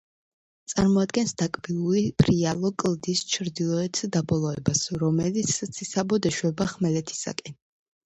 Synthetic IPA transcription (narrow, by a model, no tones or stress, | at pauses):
t̪sʼaɾmɔad̪ɡɛnsd̪akʼbilˠuɾipʰɾialˠɔkʼlˠd̪ist͡ʃʰɾd̪ilˠɔɛt̪ʰd̪abɔlˠɔɛbasɾɔmɛlit̪sʰt̪sʰisabɔd̪ɛʃwɛbaχmɛlɛt̪ʰi̥sa̰kʼɛn